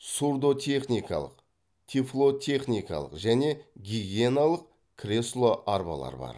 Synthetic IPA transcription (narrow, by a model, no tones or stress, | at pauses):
surd̪o̞t̪ʲʰe̞χnijkɑ̰lˠə̰q | t̪ʲʰiflˠo̞t̪ʲʰe̞χnʲijkɑ̰lˠə̰qʒæne̞ɡʲiɡʲie̞nalˠəq | kʲʰrʲe̞slˠo̞ʔaɾbɑ̰lˠɑ̰ɾbɑ̰ɾ